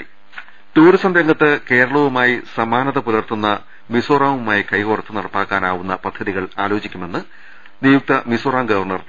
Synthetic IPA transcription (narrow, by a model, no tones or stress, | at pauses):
t̪uːɾisɐmɾɐŋɡɐt̪ːɨke̞ːɾɐɭɐʋumaːjisɐmaːnɐðɐpulɐrt̪ːunːɐ | misoːraːʋumaːjikɐjkorɐt̪ːɨnɐɽɐpːaːkːaːnaːʋunːɐpɐd̪ʱːɐðiɣɐɭaːlo̞ːt͡ɕikʲːume̞nːɨ | nijuk̚t̪ɐmisoːraːmɡɐʋɐrɳɐr